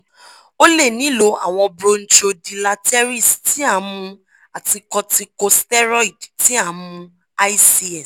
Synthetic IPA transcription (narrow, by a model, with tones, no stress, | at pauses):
o˦le˦˨nĩ˨˦lo˨˧˦a̰˨w̃ɔ̃˧bɾo˦˧n̩˦t͡ʃo˧di˧la˧tɛ˦ɾi˦˨sti˨˦a˦˨˦mũ˧ | a˨ti˧kɔ˧ti˧ko˧stɛ˦ɾɔ˦i˨dti˦a˦˨˦mũ˧ | a˦i˦si˦ɛ˨s